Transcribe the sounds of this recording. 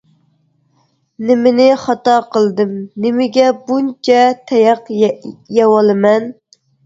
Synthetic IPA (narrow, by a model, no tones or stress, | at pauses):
nɪmɪnɪχɑt̪ɑqʰəlˠd̪ɨmnɪmɪɡʲɛbunt͡ʃʰɛt̪ʰɛjɑqjɛwɑlˠɨmɛn